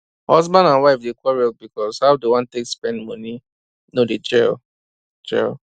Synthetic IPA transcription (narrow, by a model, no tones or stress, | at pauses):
hɔzbãndãnwaɪfdekwɔɹɛt̚bikɔshaʊdewãntekspɛ̃ndmʌni | noded͡ʒɛl | d͡ʒɛ̰l